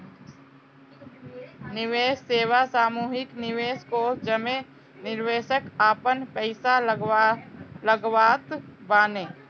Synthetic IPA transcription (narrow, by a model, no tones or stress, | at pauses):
nɪʋeːsːeːʋasaːmuːɦɪknɪʋeːskod͡ʒəmẽ | nɪɾʋeːʃəkaːpənpɛɪsa | ləɡʋaːt̪baːnẽː